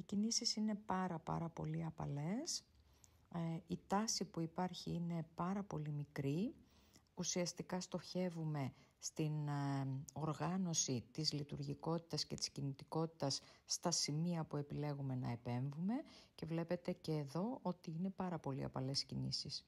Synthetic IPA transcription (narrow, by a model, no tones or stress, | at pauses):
icinisisine̞pɐɾɐpɐ̰ɾɐpo̞̰liɐpɐ̰le̞s | it̪ɐsipuipɐɾçiine̞pɐɾɐpo̞limikɾi | usiɐst̪ikɐst̪o̞çe̞vume̞ | st̪in | o̞ɾɣɐno̞sit̪izlit̪uɾʝiko̞t̪i̥t̪ɐsce̞t̪i̥scinit̪iko̞t̪i̥t̪ɐsːt̪ɐsimiɐpue̞pile̞ɣume̞nɐ̰e̞pe̞ɱvume̞ce̞vle̞pe̞t̪e̞ce̞ːðo̞o̞t̪iine̞pɐɾɐpo̞lḭɐ̰pɐle̞si̥cinḭsis